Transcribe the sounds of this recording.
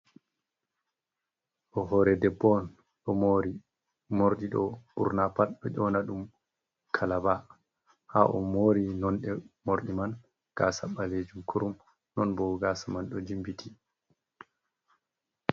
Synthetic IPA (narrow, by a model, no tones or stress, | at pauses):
ɗɔɦɔɾɛdɛbːɔn | ɗɔmoɾi | moɾɗiɗɔ̰ṵɾnapaɗɗɔʔɔnaɗum | kʰalaba | ha̰ʔɔmoːɾinɔnɗɛmoɾɗiman | ɡ̥asaɓaled͡ʒumkʰuɾum | nɔnbɔɡaːsamanɗɔd͡ʒimbitʰi